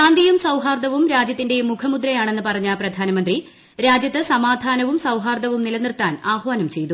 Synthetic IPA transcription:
aːnd̪ijumsɐwɦaːrd̪ɐʋumɾaːd͡ʑjɐt̪ːinde̞mukʰɐmud̪ɾɐjaːɳe̞nːɨpɐrɐɲːaprɐd̪ʱaːnɐmɐnd̪ri | ɾaːd͡ʑjɐt̪ːɨsɐmaːd̪ʱaːnɐʋumsɐwɦaːrd̪ɐʋumnilɐnirt̪aːnaːhʋaːnɐmt͡ɕe̞jt̪u

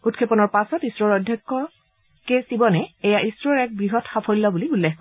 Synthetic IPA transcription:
utkʰepɔnɔɹpasɔtisɹɔɹɔjdʱjɔkːɔ | kesibɔnɛejaʔisɹɔɹɛk̚bɹiɦɔtxapʰɔlilɔbuliulːexkɔ

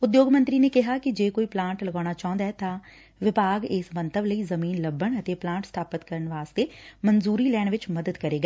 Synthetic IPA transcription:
ʊd̪joːɡmə̃nt̪ɾiːneːkɪɦaːkɪd͡ʒeːkoːiːplãːɳʈləɡaːɽ̃aːt͡ʃaːɦnd̪aɛt̪ãː | ʋɪbaːɡɪsmə̃nt̪ʰəbləiːzəmiːnləbːəɳət̪eːplãːɳʈst̪ʰaːpət̪kəɾənʋaːst̪eːmənzuːɾiːlɛːɽ̃ʋɪt͡ʃməd̪əd̪kəɾeːɡaː

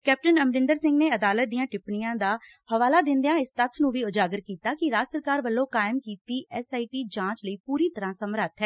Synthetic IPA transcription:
kɛːp̚ʈənəmɾɪ̃nd̪əɾsɪ̃ŋɡneːəd̪aːlət̪̚d̪ijãːʈɪpɳɪjãːd̪aː | həʋaːlaːd̪ɪ̃nd̪ejãːɪst̪ət̪ʰnũːʋiːʊd͡ʒaːɡəɾkiːt̪aːkɪɾaːd͡ʒsəɾkaːɾʋəlːõːkaːɪmkiːt̪iːʔɛsaːiːʈiːd͡ʒãːt͡ʃləiːpuːɾiːt̪əɾãːsəmɾət̪ʰɦɛː

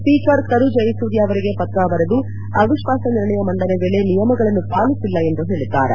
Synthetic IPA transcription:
spiːkɐɾkɐɾud͡ʒɐjisud̪ijɐʋɐɾiɡe̞pɐt̪ɾaːbɐɾed̪u | ɐʋiʃʋaːsɐniɾɳɐjɐmɐɳɖɐnebeːɭe̞nijɐmɐɡɐɭɐnːupaːlisilːɐe̞nd̪uɦ̪iɭit̪ːaːɾḛ

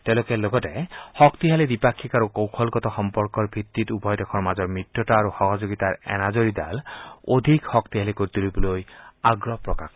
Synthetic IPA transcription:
tɛʊ̃lokɛloɡɔtɛxɔktiɦalidipakʰːikaɹukowkʰɔlkɔtɔxɔmpɔɹkɔɹbʱitːitubʱɔjdɛkʰɔɹmazɔɹmɹitːɔtaːɹuxɔɦɔzoɡitaɹɛ̰nazoɹidalodʱikxɔktiɦalikoɹit̪ulibɔlojaɡɹɔpɹɔkak

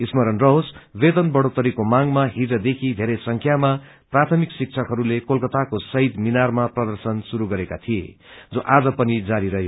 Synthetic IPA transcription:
ismʌɾʌnrʌɦosbed̪ʌnbʌɽot̪ʌɾikomaŋmaɦiʌd̪ekʰid̪ʱeɾʌjsʌŋkʰjama | prat̪ʰʌmiksik̚t͡sʰʌkɦʌɾulekolkʌt̪akosʌɦid̪minarmaprʌd̪ʌrsʌnsuɾuɡʌɾeka̰t̪ʰijḛd͡zoʔad͡zʌpʌnid͡zaɾiɾʌɦeo

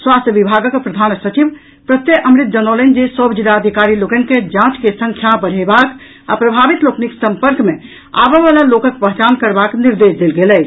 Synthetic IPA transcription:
swast̪əʋibʱaɡəkpɾəd̪ʱaːnsət͡ʃiʋ | pɾət̪jeʔəmɾit̪̚d͡ʒənolənd͡ʒesəbd͡ʒid̪aəd̪ʱikaɾiloɡənked͡ʒãt͡ʃkesə̃ŋkʰjabəɽ̤ebak | a̰pɾəbʱabit̪loːkniksə̃mpəɾkmẽ | a̰bəʋalalokəkpəɦt͡ʃankəɾbakniɾd̪esd̪elɡelɛ

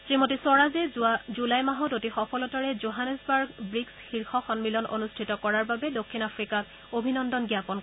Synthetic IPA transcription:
timotisɔɹazɛzulajmaɦɔtotixɔpɔlɔtaɹɛzoɦanɛsbaɹɡbɹiksxiɹxɔxɔnmilɔno̰nustʰitɔkɔɹaɹbabɛdokʰːinapʰɹikak̚ | obʱinɔndɔnɡijapɔn

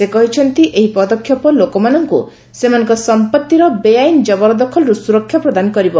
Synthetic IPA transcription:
sekɔɦit͡ʃʰɔnt̪iʔeɦipɔd̪ɔkʰjɔpɔlokɔmanɔŋkṵ | semanɔ̃ŋkɔsɔmpɔt̪ːiɾɔbejajnd͡ʒɔbɔɾɔd̪ɔkʰɔlɾusuɾɔkʰːjɔpɾɔd̪anɔkɔɾibɔ

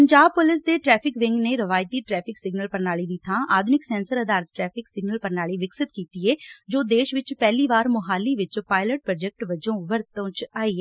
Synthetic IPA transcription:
əɲd͡ʒaːbpʊlɪsd̪eːʈɾɛːpʰɪkʋɪŋɡneːɾəʋaːjt̪iːʈɾɛːpʰɪksɪɡnəlpəɾnaːɭiːd̪ɪt̪ʰãːʔaːd̪ʱʊnɪksɛ̃ːnsəɾəd̪aːɾət̪̚ʈɾɛːpʰɪksɪɡnəlpəɾnaːɭiːʋɪksɪt̪kiːt̪iːɛːd͡ʒoːd̪eːʃʋɪt͡ʃpɛːliːʋaːɾmʊɦaːlːiːʋɪt͡ʃpaːɪləʈ̚pɾːd͡ʒɛk̚ʈʋəd͡ʒõːʋəɾt̪õːt͡ʃaːiːɛ

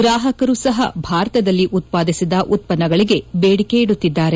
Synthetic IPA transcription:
ɡɾaːɦɐkɐɾuːsɐɦɐbʱaːɾɐt̪ɐd̪ɐlːiʔut̪̚paːd̪isid̪ɐʔut̪̚pɐnːɐɡɐɭiɡe̞beːɽike̞iɽut̪ːid̪ːaːɾe̞

